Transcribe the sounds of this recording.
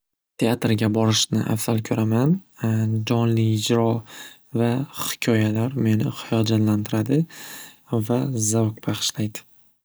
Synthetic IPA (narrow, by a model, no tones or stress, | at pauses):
t̪ʰe̞at̪ɾɡʲabɒɾɪʃnɪ̰ʔa̰fz̥alkʲʰɵɾʔamand͡ʒɒnlɪɪd͡ʒɾɒ | vahɪ̥kʲʰɒjalaɾme̞nɪχɪjɒd͡ʒat̪lant̪ʰɪɾad̪ɪ | vazawk̚baχɨ̥ʃlajd̪ɪ̥